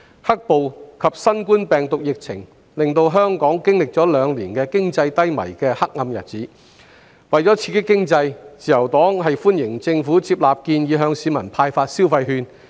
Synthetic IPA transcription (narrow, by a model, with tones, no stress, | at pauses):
hɐ˥k̚po˨wkʰɐ˨p̚sɐ˥nkuː˥npɛː˨ŋt̪ʊ˨k̚jɪ˨k̚t͡sʰɪ̰˨˩ŋ | lɪ˨ŋt̪o˧wɦœː˥ŋkɔː˨˥ŋkɪ˥ŋlɪ˨k̚t͡sɔː˨˥lœː˨˧ŋliː˨˩nkɛː˧kɪ˥ŋt͡sɐ˧jt̪ɐ˥jmɐ̰˨˩jkɛː˧hɐ˥k̚ŋɐ˧mjɐ˨t̚t͡siː˨˥ | wɐ˨˩jt͡sɔː˨˥t͡sʰiː˧t̚kːɪ˥kːɪ˥ŋt͡sɐ˧jt͡siː˨jɐ˨˩wt̪ɔː˨˥ŋɦɐ˨jfuː˥njɪ˨˩ŋt͡sɪ˧ŋfuː˨˥t͡sʰiː˧p̚laː˨p̚kiː˧njiː˨˧ɦœː˧ŋsiː˨˧mɐ˨˩npʰaː˧jfaː˧t̚siː˥wfɐ˧jɦyː˧n